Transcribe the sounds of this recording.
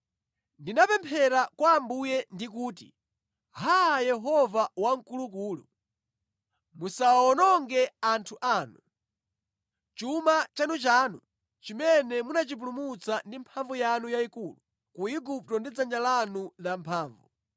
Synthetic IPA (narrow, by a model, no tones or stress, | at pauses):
ndinapɛmpʰɛɾakwaːmbujɛndikuːtḭ | hajɛɦɔvawaŋ̩kuluk̬uːlu | musaɔnɔŋɡɛantʰuʔaːnu | t͡ʃumat͡ʃanut͡ʃaːnṵ | t͡ʃimɛnɛmunat͡ʃip̬ulumut͡sandimpʰaɱvujanujaikuːlu | kuiɡup̚tɔndid͡zand͡ʒalanulampʰaːɱvu